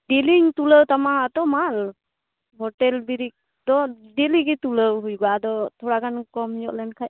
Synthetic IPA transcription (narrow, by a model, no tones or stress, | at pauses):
ɖiliɲt̪uləwt̪amaɦat̪ɔmal | ɦɔʈɛlbiɾik̚ | d̪ɔɖiliɡit̪uləwɦujɡad̪ɔt̪ʰɔɽakʰankɔmd͡ʒɔʔlɛnkʰaj